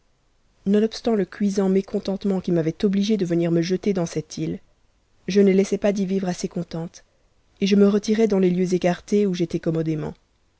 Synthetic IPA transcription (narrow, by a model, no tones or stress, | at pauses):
nɔ̃nɔpst̪ɑ̃ləkʲɥizɑ̃mekɔ̃t̪ɑ̃t̪mɑ̃kʲimavɛt̪ɔbliʒed̪əvəniʁməʒət̪ed̪ɑ̃sɛt̪ʰil | ʒənəlɛsɛpad̪ivivʁasekɔ̃t̪ɑ̃t̪ | eʒəməʁət̪iʁɛd̪ɑ̃leljøzekaʁt̪euʒet̪ɛkɔmɔd̪emɑ̰̃